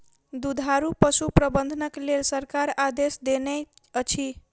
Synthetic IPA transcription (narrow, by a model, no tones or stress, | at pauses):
d̪ud̪ʱaɾupəsupɾəbənd̪ʱənəklelsəɾkaɾad̪esd̪eneət͡ʃʰi